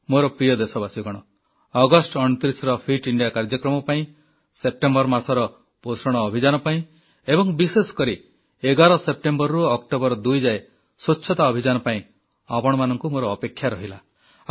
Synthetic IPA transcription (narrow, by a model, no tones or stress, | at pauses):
moɾɔpɾijɔd̪esɔbasiɡɔɽ̃ɔ | ɔɡɔsʈɔɽ̃ɔt̪ɾisɾɔpʰiʈiɳɖijakaɾd͡ʒɔkɾɔmɔpaĩ | sep̚ʈembɔɾmasɔɾɔ | posɾɔɽ̃ɔːbʱid͡ʒanɔpaĩ | ebɔŋbisesɔ̥kɔɾi | eɡaɾɔsep̚ʈembɔɾːuɔkʈobɔɾɔd̪ujd͡ʒae | sotːʃʰɔt̪aɔbʱid͡ʒanɔpaĩ | apɔɽ̃ɔmanɔŋkumoɾɔːpekʰːjaɾɔɦila